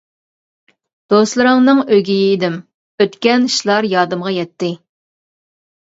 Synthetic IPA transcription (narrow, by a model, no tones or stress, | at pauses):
d̪̥oslˠɨɾɨŋnɨŋøɡʲijɪːd̪ɪm | øt̪kʲɛnʃlˠɑɾjɑːd̪ɨmʁɑjɛt̪ːɪ